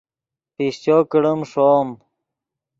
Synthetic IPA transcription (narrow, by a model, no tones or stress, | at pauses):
piɕt͡ɕoːkəɽəmʂoːm